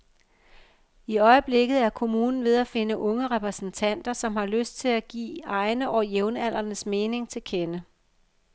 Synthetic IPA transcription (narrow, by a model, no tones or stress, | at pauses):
iɒ̽ɪəb̥le̝ɡ̥ð̞̩ˠæɐkʰo̝muːnn̩ʋe̝ð̞ˠæfe̝nəʔɔ̽ŋəʁɛpʰʁɛsn̩t͡sʰæn̰d̥ɐsɒ̽mhɑ̈løsd̥̚t͡sʰe̝læɡ̥ḭːɑ̈ɪnəʔɒjeʊnæl̰ɐnəsme̝ːne̝ŋt͡sʰe̝lkʰenə